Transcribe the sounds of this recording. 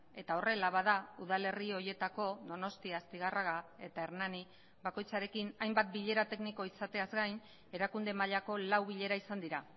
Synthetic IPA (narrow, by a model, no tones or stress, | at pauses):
e̞t̪ao̞re̞laβaðauðale̞rio̞ɾje̞t̪ako̞ðo̞no̞st̪iast̪iɣarʔaɣae̞t̪aeɾnani | βako̞jt͡saɾe̞kinajmbat̪̚biʎe̞ɾat̪e̞kniko̞isat̪e̞azɡajn | e̞ɾakund̪e̞maʎako̞lawβiʎe̞ɾaisand̪iɾa